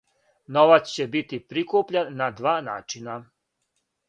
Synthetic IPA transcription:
no̞ʋat̪st͡ɕebit̪ipɾikupʎanːad̪ʋaːnaːt͡ʃina

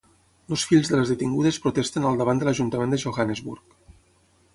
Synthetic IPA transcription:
losfiʎzðələzðət̪iŋɡuðəspɾut̪ɛst̪ənalˠd̪əβand̪ələʒunt̪əmend̪əʒoxanəzβṵrk

